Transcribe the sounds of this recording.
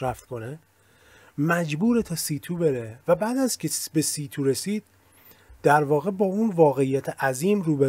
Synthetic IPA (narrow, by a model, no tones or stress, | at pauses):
ɾæft̪kʰo̞ne | mæd͡ʒbuːɾet̪ʰɒsiːt̪ʰuːbe̞ɾevæbæːd̪æzcʰesbe̞siːt̪ʰuːɾesiːd̪̥̚ | d̪æɾvɒːɣe̞bɒːunvɒːɣe̞ijæt̪ʰeʔæziːmruːbe